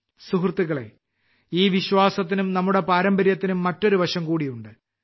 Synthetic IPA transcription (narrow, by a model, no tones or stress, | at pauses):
suɦrt̪ːuɣɐɭe̞̰ | iːʋiɕʋaːsɐt̪̬ːinumnɐmːuɽe̞paːɾɐmbɐɾjɐt̪ːinumːɐtːo̞ɾuʋɐɕɐmkuːɽijuɳɖɨ